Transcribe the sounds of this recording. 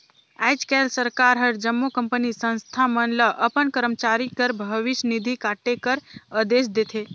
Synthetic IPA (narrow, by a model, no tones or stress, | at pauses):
ajd͡ʒkɛlsəɾkaɾɦəɾd͡ʒəmːokəmpənisə̃nst̪ʰamənləʔəpənkəɾəmt͡ʃaɾikəɾbʱəʋɪʃnid̪ʱikaʈekəɾəd̪es̬d̪et̪ʰe